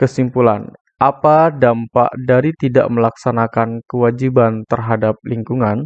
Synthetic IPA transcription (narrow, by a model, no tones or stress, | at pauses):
kəsimpulan | ʔapadampa̰ʔdaɾit̪ida̰ʔməlaksanakankəwad͡ʒibant̪ərɦadap̚liŋkuŋan